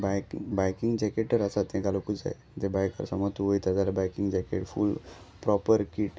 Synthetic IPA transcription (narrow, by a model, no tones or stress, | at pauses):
bakbajkiŋɡd͡ʑɛkeʈːəɾasat̪ɛ̃ɡalokua̰j | t̪ebajkə̰ɾsamat̪uoit̪ad͡zalabajkiŋɡd͡ʑɛkḛʈfṵl | pɾɔpəɾkiʈ